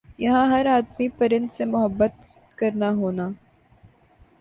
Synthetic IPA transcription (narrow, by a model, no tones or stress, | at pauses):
jɐɦãɦɐɾaːd̪mipɐɾɪ̃nd̪semʊɦəbːət̪ | kɐɾnaɦoːnaː